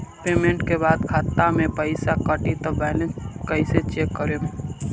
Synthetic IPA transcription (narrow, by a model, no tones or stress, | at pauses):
peːmẽɳʈkebaːd̪kʰaːt̪ːamẽpəɪsakəʈit̪ɔbɛːlẽnskəɪset͡ʃeːkːəɾem